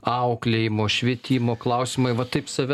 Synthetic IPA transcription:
ɐʊklʲeːjɪmoːʃʲʋʲiːt̪ʲiːmoːklˠɐʊsʲɪmɐɪʋɐt̪ɐɪpsɐʋʲɛ

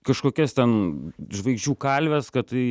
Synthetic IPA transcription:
kɐʃkoːkʲɛst̪ʲɛnʒʋɐɪɡʒʲd͡ʒʲuːkɐlʲʋʲɛskɐt̪tɐɪ

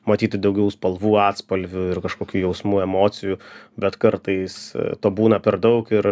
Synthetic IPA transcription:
mɐt̪ʲiːt̪ʲɪd̪ɐʊɡʲɛʊspɐlˠʋuːɑːt̪spɐlʲʋʲʊɪrkɐʃkoːkʲuːjɛʊsmuːɛmoːt͡sʲɪjuːbʲɛt̪kɐɾt̪ɐɪst̪oːbuːnɐpʲɛɾd̪ɐʊkɪɾ

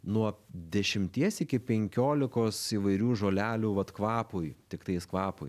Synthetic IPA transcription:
nuɔd̪ʲɛʃʲɪmʲt̪ʲiɛsɪkʲɪpʲɛŋʲkʲoːlʲɪkoːsiːʋɐɪɾʲuːʒoːlʲæːlʲuːʋɐt̪kʋɑːpʊɪt̪ʲɪkt̪ɐɪskʋɑːpʊɪ

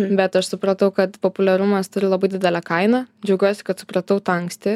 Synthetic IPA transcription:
bʲɛt̪ɐʃsʊpɾɐt̪ɐʊkɐt̪poːpʊlʲɛɾʊmɐst̪ʊɾʲɪlˠɐbɐɪd̪ʲɪdʲɛlʲækɐɪnɐd͡ʒʲɛʊɡʲuɔːjsʲɪ̥kɐt̪sʊ̥pɾɐt̪ɐʊt̪ɐŋksʲt̪ʲɪ

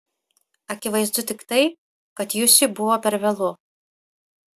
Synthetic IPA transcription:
ɐkʲɪʋɐɪzd̪ʊt̪ʲɪkt̪ɐɪp̚ | kɐt̪jʊsʲɪbʊʋoːpʲɛɾʋʲɛlˠʊ

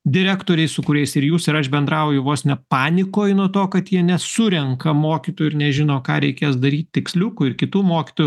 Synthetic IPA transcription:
d̪ʲɪɾʲæːkt̪oːɾʲɛɪsʊkʊɾʲɛɪsɪɾjuːsɪɾɐʃbʲɛnd̪ɾɐʊjʊʋoːsnʲɛpɑːnʲɪkoːjnuɔt̪oːkɐt̪jiɛnʲɛsʊɾʲɛŋkɐmoːkʲit̪oːjʊɪnʲɛʒʲɪnoːkɑːɾʲɛɪkʲeːsd̪ɐɾʲiːt̪ʲt̪ʲɪksʲlʲʊkʊɪɾkʲɪt̪uːmoːkʲɪ̥t̪oːjʊ

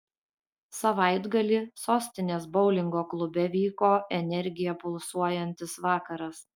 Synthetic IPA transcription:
sɐʋɐˑɪd̪ɡɐlʲisoːsʲt̪ʲɪnʲeːsbɒʊlʲɪŋɡoːklˠʊbʲɛʋʲiːkoːɛnʲɛɾʲɡʲɪjɛpʊlˠsuɔjɛnʲt̪ʲɪsʋɑːkɐɾɐs

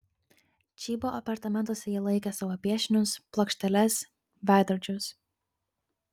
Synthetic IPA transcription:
t͡ʃʲiːboʔɐpɐɾt̪ɐmʲɛnt̪oːsʲɛjiːlˠɐɪkʲɛsɑʋoːpʲiɛʃʲɪnʲʊsplˠɔkʃʲt̪ʲɛlʲɛs | ʋʲæˑɪd̪ɔɾʲd͡ʒʲʊs

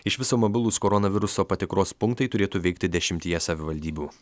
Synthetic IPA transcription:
ɪʃʲʋʲɪsoːmobʲɪlˠuːskoːɾɔnɐʋʲɪɾʊsoːpɐt̪ʲɪkɾoːspʊŋkt̪ɐɪt̪ʊɾʲeːt̪uːʋʲɛɪkt̪ʲɪd̪ʲɛʃʲɪmʲt̪ʲiːjɛsɐʋʲɪʋɐlʲd̪ʲiːbʲuː

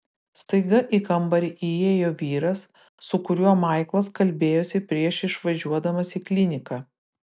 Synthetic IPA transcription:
st̪ɐɪɡɐʔiːkɐmbɐɾʲʔijeːjoːʋʲiːɾɐsː | ʊkʊɾʲuɔmɐˑɪklˠɐskɐlʲbʲeːjoːsʲɪpʲɾʲiɛʃɪʃʋɐʒʲuɔd̪ɐmɐsiːklʲɪnʲɪkɑː

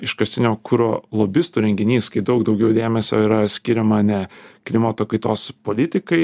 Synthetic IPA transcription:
ɪʃkɐsʲt̪ʲɪnʲoːkʰuɾoːlˠoːbʲɪst̪uːɾʲɛŋʲɡʲɪnʲiːskɐɪd̪ɐʊkd̪ɒʊɡʲɛʊd̪ʲeːmʲɛsʲo̰ːiɾɐsʲkʲɪɾʲɛmɐnʲɛklʲɪmɐt̪oːkɐɪt̪oːspoːlʲɪt̪ʲɪkɐɪ

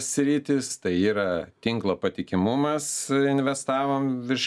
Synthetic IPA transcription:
ssʲɾʲiːt̪ʲɪst̪ɐɪiːɾɐt̪ʲɪŋklˠoːpɐt̪ʲɪkʲɪmʊmɐsɪnʲʋʲɛst̪ɑːʋoːmʋʲɪɾʃ

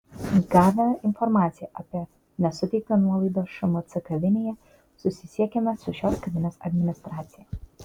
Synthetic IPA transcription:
ɡɑːʋʲɛmɛɪnfɔɾmɑːt̪sʲɪjɛʔɐpʲiɛ | nʲɛsʊt̪ʲɛɪk̚t̪onuɔlˠɐɪd̪oːʃɐmot̪sʲɪkɐʋʲɪnʲejɛ | sʊsʲɪsʲiɛkʲemʲɛsʊʃʲoːskɐʋʲɪnʲeːsɐ̰d̪ʲmʲɪnʲɪst̪ɾɑːt̪sʲɪjɛ

